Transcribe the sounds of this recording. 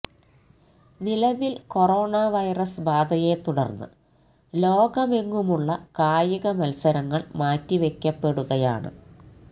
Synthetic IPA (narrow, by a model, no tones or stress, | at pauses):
nilɐʋilko̞ro̞ːɳaʋɐjrɐsbaːd̪ʱɐje̞t̪uɽɐrnːɨ̰ | lo̞ːɡɐme̞ŋːumuɭːɐkaːjɐɣɐmɐlsɐɾɐŋːɐɭmaːtːiʋe̞kʲːɐpːe̞ɽuɣɐja̰ːɳɨ̰